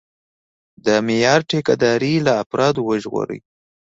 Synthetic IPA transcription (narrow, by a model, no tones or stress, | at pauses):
d̪əmɪjɑɾʈekad̪ɑɾilaːpɾɑd̪owəʒɣo̰ɾə̰j